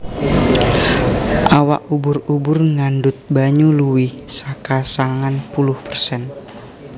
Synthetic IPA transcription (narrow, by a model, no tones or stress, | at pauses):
ʔawaʔubʊrubʊrŋandʊt̪̚baɲuluwɪhsakasaŋanpulʊhpərsɛn